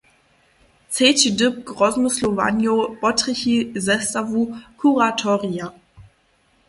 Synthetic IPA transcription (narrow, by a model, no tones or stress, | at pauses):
t͡seːtidɪp̚ɡ̥ʁɔzmʊslova̰njob̥ɔtʁɪçizɛstavukʰuʁatʰɔʁia